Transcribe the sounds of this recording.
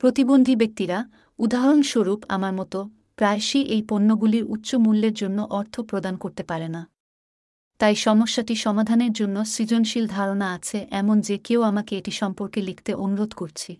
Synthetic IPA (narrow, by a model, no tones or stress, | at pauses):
pɾot̪ibond̪ʱibek̚t̪iɾa | ud̪aɦɾonʃoɾupa̰maɾmɔt̪o | pɾaeʃiʔejponːoɡuliɾutːɕomulːeɾd͡ʑonːoʔɔɾt̪ʰopɾod̪ankoɾt̪epaɾena | t̪ajʃɔmoʃːaʈiʃɔmad̪ʱaneɾd͡ʑonːosɾid͡ʑonʃild̪ʱaɾonaat͡ɕʰeʔɛmond͡ʑekeoamakeeʈiʃɔmpoɾkelikʰt̪eʔonuɾod̪ʱkoɾt͡ɕʰi